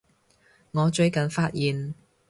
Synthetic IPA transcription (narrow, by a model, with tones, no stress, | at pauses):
ŋɔː˨˧t͡ʃɵ˧ɥkɐ˨nfaː˧˥t̚jiː˨n